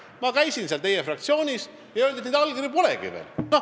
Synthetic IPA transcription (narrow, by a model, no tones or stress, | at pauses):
mɑkæjsinseɑlt̪ejefrɑk̚t̪sio̞ːnʲis | jɑøld̪et̪neːd̪ɑlɡiripolḛɡḭvḛːlno